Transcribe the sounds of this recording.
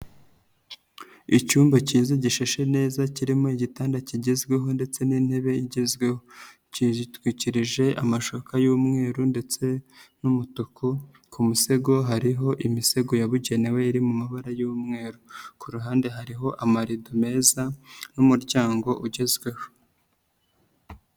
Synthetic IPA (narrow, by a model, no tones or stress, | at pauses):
icuːmbaciːzaɟiʃeʃe̞ne̞ːzaciɾimo̞iɟitaːndaciɟezɡwe̞ɦo̞nde̞t͡se̞ninhe̞βe̞iɟezɡweho | citwiciɾiʒe̞ʔa̰maʃokajuːmŋe̞ːɾunde̞t͡se̞numutukʰo | kumuse̞ɡo̞ɦaɾiɦo̞ʔimise̞ɡo̞jaβuɟe̞ne̞we̞iɾimumaβaɾajuːmŋe̞ːɾukuɾuɦaːnde̞ɦaɾiɦo̞ʔamaɾidome̞ːzanumuɾɟaːŋɡo̞ʔuɟe̞zɡwe̞ho